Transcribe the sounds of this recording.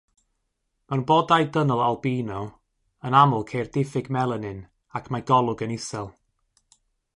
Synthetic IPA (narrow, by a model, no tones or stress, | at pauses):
mawnboːdajdənɔlˠalˠbiːnɔ | ənamʊlˠkʰejrdɪfɪɡmɛlˠənɨn | akʰmajɡɔlˠʊɡənɪsɛlˠ